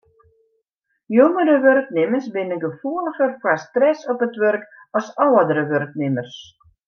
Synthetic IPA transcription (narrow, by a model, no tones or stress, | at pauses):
joŋəɾəʋørknɪmərsbɪnənɡəfuələχərkwastrɛsɔpətʋørk | ɔsɔwədəɾəʋørk̚nɪmərs